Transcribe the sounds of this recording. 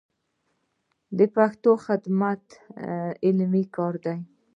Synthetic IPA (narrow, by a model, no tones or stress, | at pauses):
d̪əpaxt̪oxɪd̪mat̪ | ɪlmikɑɾd̪aj